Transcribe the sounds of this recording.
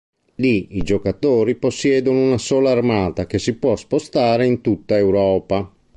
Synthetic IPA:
liid͡ʒokat̪oːɾiposːjɛːd̪onounasoːlaːrmaːt̪ak̟esipwɔspost̪aːɾeint̪ut̪ːaewɾɔːpa

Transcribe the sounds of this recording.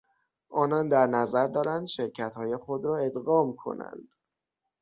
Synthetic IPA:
ʔɒːnɒnd̪æɾnæzæɾd̪ɒːɾænd̪ʃe̞ɾcʰæt̪hɒːjexod̪ɾɒːe̞d̪ɣɒːmkʰo̰næ̰nd̪̥

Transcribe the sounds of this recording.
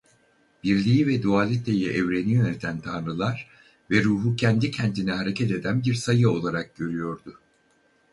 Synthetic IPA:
b̥iɾlʲijivɛd̪uaːlʲit̪ʰejiʔɛvɾe̞nijø̞net̪ʰænt̪ʰanɾɯlˠaɾ̥ | vɛɾuːɦucʰɛnd̪icʰɛnt̪ʰinɛɦaɾe̞cʰɛt̪e̞d̪ænbiɾsajɯo̞lˠaɾak̚ɟø̞ɾyjo̞ɾd̪ʊ

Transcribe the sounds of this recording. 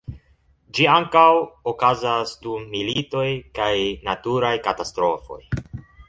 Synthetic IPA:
d͡ʒiaŋkawokazasdumːilito̞jkajnatuɾajkatastɾo̞fo̞̰j

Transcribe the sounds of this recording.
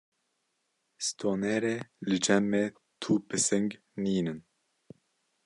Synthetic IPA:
st̪ʰoːneːɾeːlɨd͡ʒɛmːeː | t̪ʰuːpʰɨsɪŋɡ | niːnɨn

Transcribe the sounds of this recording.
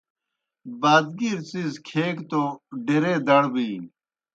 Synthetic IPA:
baːd̪̚ɡiɾt͡sizkʰeːkt̪oɖeɾeːd̪ɐɽbiː

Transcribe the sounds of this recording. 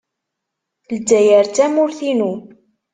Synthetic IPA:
ld̪ːæjəɾt͡sæmʊɾθinu

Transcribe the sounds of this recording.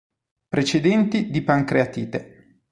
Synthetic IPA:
pɾet͡ʃed̪ɛnt̪id̪ipaŋkɾeat̪iːt̪e

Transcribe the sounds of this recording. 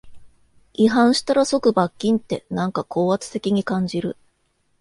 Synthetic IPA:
iɦãɰ̃ɕi̥t̪aɾaso̞kɯ̟bakʲːĩnt̪e̞nãŋkakʰo̞ːβat͡sɨ̥se̞kʲiɲ̟ikãɲ̟d͡ʑiɾɯ̟

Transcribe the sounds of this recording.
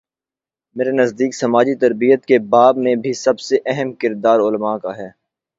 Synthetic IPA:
meːɾenɐzd̪iːksɐmaːd͡ʒit̪ɐɾbijət̪kebaːbmẽbʱisɐbseʔɛɦɛmkɪɾd̪aːɾʊlmakaɦɛː

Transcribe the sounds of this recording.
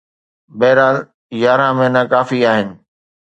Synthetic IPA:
bɛːɾaːl | jaːɾãmẽnakaːfiaːɦɪnɪ̆

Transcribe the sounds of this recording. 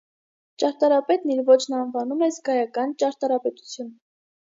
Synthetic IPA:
t͡ʃɑɾt̪ɑɾɑpɛt̪niɾvɔt͡ʃʰnɑnvɑnumɛzɡɑjɑkɑnt͡ʃɑɾt̪ɑɾɑpɛt̪u̥t͡sʰjun

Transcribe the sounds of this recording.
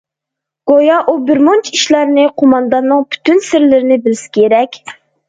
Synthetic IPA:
ɡ̥ojɑʔubɪɾmont͡ʃʰiʃlˠɑɾnɨqʰomɑnd̪ɑnːɨŋpʰy̥t̪ynsɪɾlɪɾɪnɪbɪlsɪ̥kʲʰeɾɛkʲ

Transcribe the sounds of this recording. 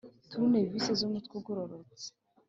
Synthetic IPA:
tuɾunevisezumutkuɡoɾoɾot͡se̥

